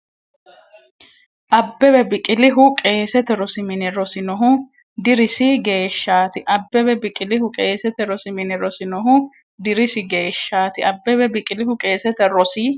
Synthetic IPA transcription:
ʔɐbːɛbɛbɪkʼɪlɪɦʊkʼe̞ːsɛt̪ɛɾɔsɪmɪnɛɾɔsɪnɔɦʊ | d̪ɪɾɪsɪɡe̞ːʃːaːt̪ɪʔɐbːɛbɛbɪkʼɪlɪhʊkʼeːsɛt̪ɛɾɔsɪmɪnɛɾɔsɪnɔɦʊ | d̪ɪɾɪsɪɡe̞ːʃːaːt̪ɪɐbːɛbɛbɪkʼɪlɪhʊkʼe̞ːsɛt̪ɛɾɔsɪ

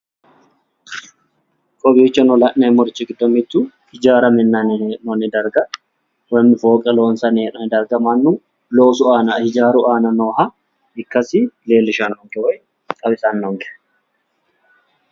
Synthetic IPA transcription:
kʼɔbiːt͡ʃːɐnɔlɐʔnɛmɔɾt͡ʃːɪɡɪd̪ːɔmɪt̪ːu | hɪd͡ʒaːɾɐmɪnːɐnɪʔnɔnɪd̪ɐɾɡɐ | wɐnːɪfo̞ːkʼɛlo̞ːnsɐneːʔnɔnɪd̪ɐɾɡɐmɐnːu | lo̞ːsʊaːnɐhɪd͡ʒaːɾʊʔaːnɐnoːɦɐ | ɪkːɐsɪle̞ːlːɪʃɐnhɔŋkɛwɔj | kʼɐbɪsɐnːɔŋkʼɛ

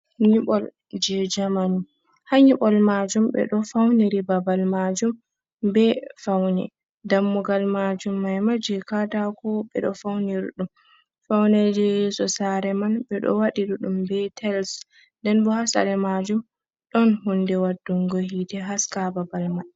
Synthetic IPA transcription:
ɲiɓɔl | d͡ʒɛd͡ʒamani | haɲiɓɔlmad͡ʒumɓɛ̰ɗɔfawniɾibabalmad͡ʒum | bɛfawnɛ̰ | damːuɡalmad͡ʒumːajmad͡ʒɛkatakɔɓɛ̰ɗɔfawniɾḭɗum | fawnɛd͡ʒɛjɛsɔsaɾɛmanɓɛɗɔ̰waɗiɗuɗumbɛtʰɛls | ndɛnbɔhasa̰ɾɛmad͡ʒum | ɗɔnhundɛwadːuŋɡohitɛɦaskababalmad

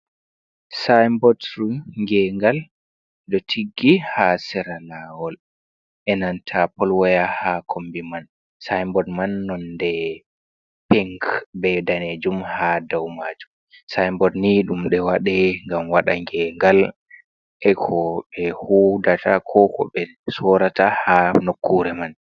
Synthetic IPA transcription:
sajmbɔtɾŋɡɛŋɡal | dɔtʰiɡːihasɛɾalaːwɔl | ʔɛnantʰapɔlwɔjahakʰombiman | sajmbɔdmanːɔndɛ | pɛŋkbɛdaned͡ʒumhadawmad͡ʒum | sajmbɔdniɗumɗɛwaɗɛŋɡamwaɗaŋɡɛŋɡal | ʔɛkʰɔɓɛhudatʰakʰɔkɔ̰ɓɛ | sɔɾatahanokːuɾɛman

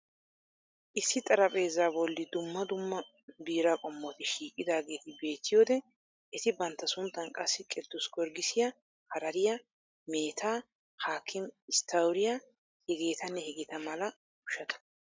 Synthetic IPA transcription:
ʔɪsːɪt̪ʼɐɾɐpʼe̞ːzːaːbɔlːɪd̪ʊmːɐd̪ʊmːɐ | biːɾakʼɔmːɔt̪ɪʃiːkʼːɪd̪aːɡe̞ːt̪ɪbe̞ːt̪ːɪjoːd̪ɛ | ʔɛt̪ɪbɐnt̪ːɐsʊnt̪ːɐnkʼɐsːɪkʼɛd̪ːʊsɡɔɾɡɪsɪjɐ | hɐɾɐɾɪja | me̞ːt̪ʰaː | haːkʰːɪmɪst̪ʰɐwɾɪja | hɛɡe̞ːt̪ɐnːɛhɛɡɪt̪ɐmɐlɐ | ʊʃɐt̪ɐ̥

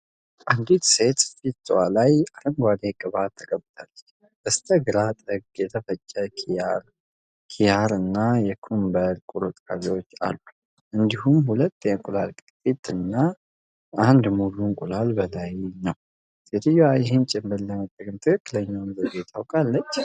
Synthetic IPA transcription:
ʔand̪it̪se̞t̪fit̪walajaɾəŋɡʷad̪ekʼɨβat̪ʰːəkʼəbt̪ʰalːət͡ʃː | bəst̪ʰəɡɨɾat̪ʼəɡjɛt̪ʰəfət͡ʃʼːəkʰiaɾ | kʰijaɾɨnːajɛkʰumbəɾkʼuɾut̪ʼa̰βewo̞t͡ʃːa̰lːu | ʔɨnd̪ihumhulət̪ːjɛkʼulalkʼɨt̪ʼit̪ɨnːa | and̪muluŋkʼulalbəlajnəw | sʼet̪ʰɨjːoajɪɦent͡ʃʼɪmbɨlːəmət̪ʼːəɡɨmt̪ʰɨkʰɨkʼːɨləɲːawnbəbet̪ʰawkʼalːət͡ʃː

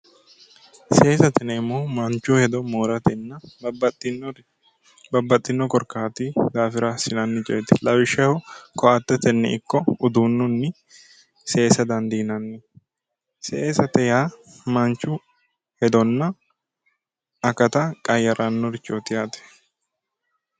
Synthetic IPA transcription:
se̞ːsɐt̪ɛnɛmːoːmɐnt͡ʃːʊhɛd̪ɔmoːɾɐt̪ɛnːɐtː | bɐbːɐt̪ʼːɪnːɔkɔɾkaːt̪id̪aːfɪɾɐsɪnɐnːɪt͡ʃʼɛ̰ːt̪ɛ̥lɐwɪʃɛhɔkɔʔɐt̪ːɛt̪ɛnːɛ̰ɪkːɔʊd̪uːnːʊnːɪ | se̞ːsɐd̪ɐnd̪iːnɐnːɪ | seːsɐt̪ɛjaː | mɐnt͡ʃːʊ | hɛd̪ɔnːɐ | kɐt̪ɐkʼɐjɐɾɐnːɔɾɪt͡ʃʼːot̪ɪjaːt̪ɛ̥

